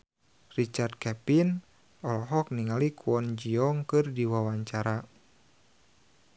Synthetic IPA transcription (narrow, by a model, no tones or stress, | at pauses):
rit͡ʃard̪̚kɛpin | ɔlɔɦɔk̚niŋalikʰuɔnd͡ʒiɔŋkɨrdiwawaɲt͡ʃaɾa